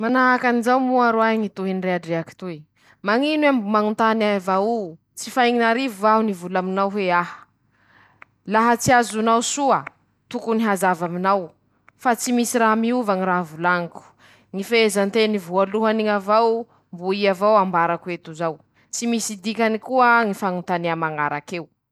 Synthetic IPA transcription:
manaɦakanizawmuaɾoaɦiŋit̪uɦinreaɖ͡ʐeaki̥t̪ui | maŋinwambumaŋunt̪anaavau | t͡sifajŋinaɾivuaɦunivulaminawɦeaɦə̥ | laɦət͡siazunawsuə | t̪ukuniɦazavaminaw | fat͡simisiɾamiuvaŋiɾavulaŋiku̥ | ŋifeezant̪enivualuɦaniŋavaw | mbuiavawambaɾakuet̪uzaw | t͡simisid̪ikʲanikuəŋifaŋunt̪anamaŋaɾakew

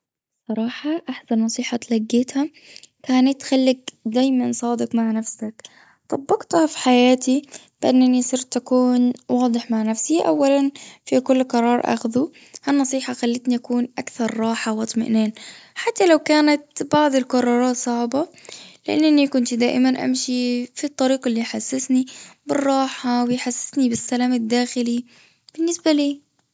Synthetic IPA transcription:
sˤɑɾˤɑːħɑʔaħsanːɑsˤiːħɑt̪laɡːeːt̪ha | kaːnat̪ːxalːɪɡd̪aːjmansˤɑːd̪ɪkmaʕnafsak | t̪ˤɑbːɑqt̪hafi̥ħajaːt̪i | b̥ɪʔanːanisˤɨɾt̪ːakuːnwɑːd̪ˤɨħmaʕnafsiʔa̰wːalanfikʊlːqɑɾˤɑːɾˤʔa̰xðu | hanːɑsˤiːħɑxalːat̪niʔakuːnʔakθɑɾˤːɑːħawɑt̪ˤma̰ʔneːnħat̪ːalawkaːnat̪̚bɑʕd̪ˤɪlkɑrˤːɑːɾˤɑːt̪sˤɑʕbalɪʔanːanikʊnt̪d̪aːʔɪmanʔa̰mʃifit̪ˤːɑɾiːqɪlːiħasːɪsnibɪrˤːɑːħawɪjħasːɪ̥snibɪsːalaːmad̪ːaːxɪli | b̥ɪnːɪsbaliː

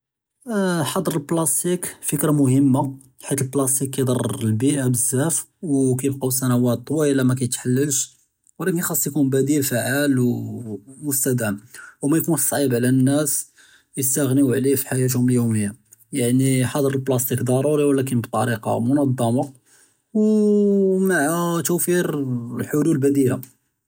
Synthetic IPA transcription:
ħɑd̪ˤəɾˤəlblɑst̪ikfəkɾamʊhəmːa | ħit̪əlblɑst̪ikːæjd̪ˤɑrˤəlbiʔabəzːæf | wkæjəbqɑsænæwæt̪ːˤwiəlːæmækæjət̪ħalːəlʃ | wlækənjxɑsˤːjkunbæd̪ilfaʕalw | mʊst̪æd̪æmwmæjkunsˤʕibʕlænːæs | jəst̪æɣniwʕlifi̥ħajæt̪̬hʊməljuməjːa | jaʕniħɑd̪ˤəɾəlblɑst̪ikd̪ˤɑɾˤuɾiwlæk̬ənbt̪ˤɑɾiqɑ̰mʊnɑd̪ˤːɑmɑ | w | maʕt̪uwfiɾlħʊlulbæd̪ila

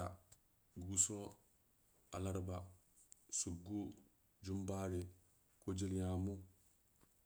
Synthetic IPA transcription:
a | ɡuso | a̰laɾba | suɡːu | d͡ʒumbaɾi | kod͡ʒiljamu

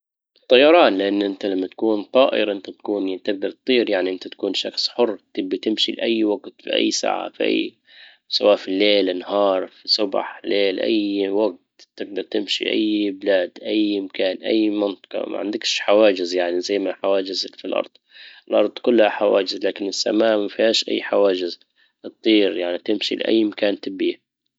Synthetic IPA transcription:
ʔt̪ˤːɑjɑɾˤɑːnlɪʔanːʔɪnt̪alamːat̪ḁkuːnt̪ˤɑːʔɪ̰ɾʔɪnt̪at̪ḁkuːnjat̪ɪɡ̚d̪ɑɾˤt̪̚t̪ˤiːɾjaʕniʔɪnt̪at̪ḁkuːnʃɑ̰xsˤħʊrːt̪ɪɡːat̪ɪmʃilʔajːwaɡt̪fḭʔa̰jːsa̰ːʕa̰fʔa̰j | sawaːʔfilːeːlɪnhɑːɾˤfisʊbħleːlʔa̰jwaɡ̚t̪t̪ɪɡ̚d̪ɑɾˤt̪ɪmʃḭʔa̰jːbɪlaːd̪ʔajmakaːnʔa̰jːmɪnt̪ˤɑ̥qɑ̰ma̰ʕa̰nd̪ɪkʃħawaːd͡ʒɪzjaʕnizajːmaħawaːd͡ʒɪzfilʔɑ̰ɾˤd̪ˤɪlʔɑɾˤd̪ˤkʊlːhaħawaːd͡ʒɪzlaːkɪnɪsːa̰maːʔmafihaːʃʔa̰jːħawaːd͡ʒɪz | ʔɨt̪ˤːiːɾjaʕnit̪ɪmʃḭl̰ʔa̰jːmakaːnt̪ɪbːi

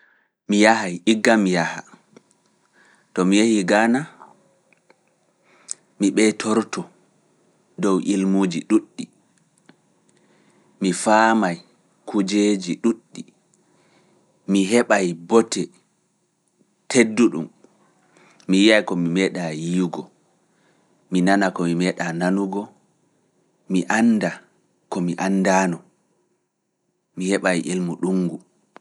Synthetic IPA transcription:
mijahajʔiɡːamijaha̰ | tɔmijehiɡaːna | miɓɛtʰɔɾtɔ | dɔwʔilmud͡ʒiɗuɗːi | mifaːmaj | kʰud͡ʒeːd͡ʒiɗuɗːi | miɦɛɓajbɔtɛ | tʰedːuɗum | ijiajkɔmimɛɗajiɡɔ | minanakɔmimɛɗananuɡɔ | miʔanːda | kɔmiʔanːdanɔ | mihɛɓajʔelmuɗuŋɡu

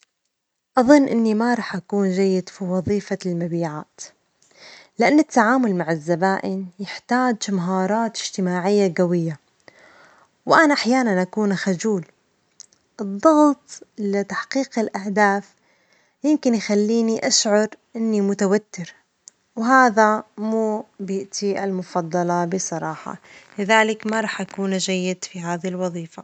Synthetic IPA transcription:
ʔɑðˤɨnːʔɪ̰nːimaɾˤɑːħʔakuːnd͡ʒajːɪd̪fiwɑðˤiːfalmabiːʕa̰ːt̪ | lɪʔanːɪt̪ːaʕaːmʊlmaʕɪzːabaːʔɪnjɪħt̪aːd͡ʒmaɦɑːɾˤɑːt̪ɪʒ̥t̪ɪmaːʕɪjːaɡawɪjːa | wʔanaʔaħjaːnanʔakuːnxad͡ʒuːl | ʔɨd̪ˤːɑɣt̪ˤlɪt̪aħqiːqɪlʔahd̪aːθ | jɪmkɪnjxalːiːniʔaʃʕɑɾˤʔɪnːimʊt̪awat̪ːɪɾ | wɦaːðamuːbjɪʔt̪ʰiʔalmʊfɑd̪ˤːɑlɑbɪsˤɑɾˤɑːħɑ̰lɪðaːlɪkmaɾˤɑːħʔakuːnd͡ʒajːɪd̪fiɦaːðilwɑðˤiːfa

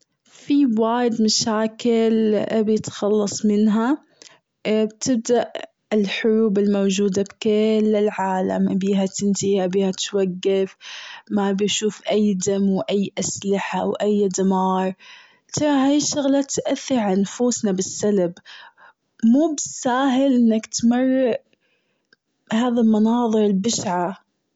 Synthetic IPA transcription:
fiwaːjɪd̪maʃaːkɪlʔbjɪt̪xɑlːɑsˤmɪnɦa | bt̪ɪb̚d̪aʔ | ɪlħʊɾuːbɪlmowd͡ʒuːd̪abkɪlːɪlʕaːla̰mbiːɦat̪ɪnt̪ɪhabiːhat̪waɡːɪfmabɪjʃuːfʔajd̪amwʔajːʔaslɪħawʔajd̪amɑːɾˤ | t̪ʰɑɾˤɑhaːjɪʃːʊɣlat̪ʔaθːɪɾʕanfuːsnabɪsːalb | muːbɪsːaːɦɪlʔɪnːakt̪marˤːɪʔ | haːðalmɑnɑːðˤɨɾɪlbɪʃʕa

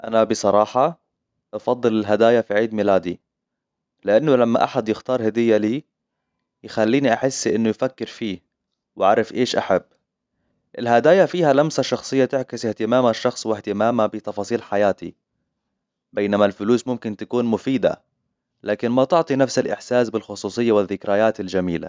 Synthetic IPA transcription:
ʔanabɪsˤɑɾˤɑːħɑ | ʔɑfɑd̪ˤːɨlɪlɦad̪aːjafiʕiːd̪mɪlaːd̪i | lɪʔanːʊlamːa̰ʔaħad̪jɪxt̪ɑːɾˤhad̪ɪjːaliː | jɪxalːiːniʔaħɪsːʔɪnːʊjfakːɪɾfiː | wʔaɾˤɪfʔeːʃʔa̰ħabː | ʔɪlɦad̪aːjafiːhalamsaʃːɑxsˤɨjːat̪ɪʕkɪsɪht̪ɪmaːmaʃːɑxsˤwɪht̪ɪmaːmabɪt̪ɑfɑːsˤiːlħajaːt̪ḭ | beːnamalfʊluːsmʊmkɪnt̪akuːnmʊfiːd̪a̰ | laːkɪnmat̪ʊʕt̪ˤinafsɪlʔɪ̰ħsaːsbɪlxʊsˤuːsˤɨjːawɪðːɪkɾajaːt̪ɪld͡ʒamiːla̰

